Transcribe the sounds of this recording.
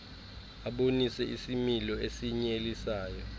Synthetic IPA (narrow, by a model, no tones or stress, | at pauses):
aɓonisɛʔisimilɔesiɲelisaːjɔ